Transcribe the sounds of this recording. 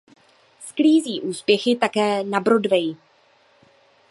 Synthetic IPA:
skliːziːʔuːspjɛxɪt̪akɛːnabɾo̞dvɛj

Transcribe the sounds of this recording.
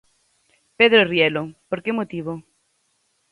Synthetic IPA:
peðɾorjɛlopoɾkemot̪iβo

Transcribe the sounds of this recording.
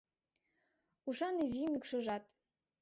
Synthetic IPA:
uʃɑnizimykʃɤ̆ʒɑt̪

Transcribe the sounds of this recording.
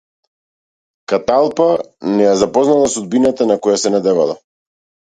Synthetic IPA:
kat̪alˠpanɛjazapɔznalˠasud̪̚binat̪anakɔjasɛnad̪ɛvalˠa̰

